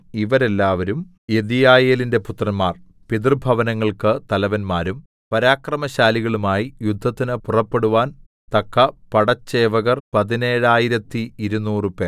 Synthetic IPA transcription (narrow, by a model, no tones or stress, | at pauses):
iʋɐɾe̞lːaːʋɐɾum | eðijaːjeːlinde̞put̪rɐnmaːr | piðrbʱɐʋɐnɐŋːɐɭkɨt̪ɐlɐʋɐnmaːɾum | pɐɾaːkrɐmɐɕaːliɣɐɭumaːjijud̪ʱːɐt̪ːinɨpurɐpːe̞ɽuʋaːn | t̪ɐkːɐpɐɽɐt͡ɕːeːʋɐɣɐrpɐðine̞ːɻaːjiɾɐt̪ːiiɾunːuːrɨpeːr